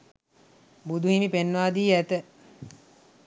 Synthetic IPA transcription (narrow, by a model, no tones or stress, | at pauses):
bud̪uɦimipenːaːd̪iːæt̪ə